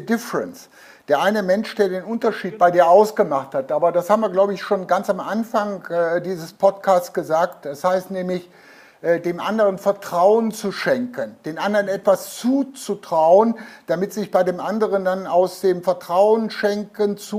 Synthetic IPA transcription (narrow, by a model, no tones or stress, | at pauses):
dɪfəʁɛ̰ns | d̥eːɐʔaɪnəmɛnʃd̥eːɐdeːnʔʊntɐʃiːt̚b̥aɪdiːɐʔaʊsɡ̥əmaχthatʔaːbɐdashaːbm̩viːɐɡlaʊbəɪçʃoːnɡant͡samʔanfaŋɛdiːzəspʰɔtkʰaːst͡ssɡ̥əzaːktɛshaɪstnɛːmlɪç | ʔɛːdeːmʔa̰ndəʁənfɛɐtʁ̥aʊənt͡suʃɛŋkənd̥eːnʔandəʁənɛtv̥ast͡suːt͡sutʁ̥aʊənd̥amɪtz̥ɪçb̥aɪdeːmʔandəʁəndanaʊsd̥eːmfɛɐtʁ̥aʊənʃɛŋkənt͡su